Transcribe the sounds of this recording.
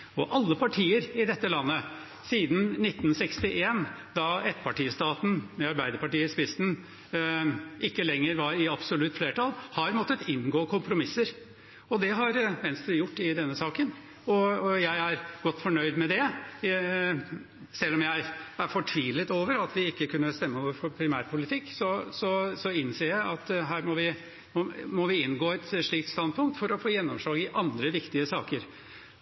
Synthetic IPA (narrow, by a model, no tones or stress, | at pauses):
ɔʔɑlːəpʰɑʈʰiːəɾɪd̪ɛt̪ːəlɑnːə | siːd̪n̩nɪt̪ːnsɛkst̪ɪʔeːnd̪ɑɛt̪ːpɑʈiːəst̪ɑːt̪n̩mɛɑɾbæɪd̪əɾpɑʈiːəspɪsn̩ | ʔɪkːəlɛŋːəɾʋɑɾɪɑbsɔlʉt̪ːfleːʈʰɑlːhɑɾmɔt̪ːət̪ɪnːɡoːkʰʊmpɾʊmɪsːəɾ | ɔd̪ɛɦɑɾmɛnst̪ɾɪjʊʈːɪd̪ɛnːəsɑːkən | ɔɔjæɪæɾɡ̥ɔt̪ːfɔɳœʏd̪mɛd̪ɛ | sɛlːɔmjæɪæɾfɔʈʰʋiːlət̪oːʋəɾɑt̪ʋɪɪkːəkʰʉnːəst̪ɛmːəɔʋfɔɾpʰɾɪmæ̰ːɾpʰʊlɪt̪ʰɪkːsɔsɔsɔɪnseːɾjæɪʔɑt̪ɦæːɾmɔʋɪ | mɔmɔʋɪɪnɡoːɛt̪ʂɭiːk̚t̪st̪ɑnd̪̚pʰʊŋk̚t̪fɔɾɔfoːjɛnːɔmʂlɑːɡɪʔɑnd̪ɾəʋɪkt̪ɪəsɑ̰ːkəɾ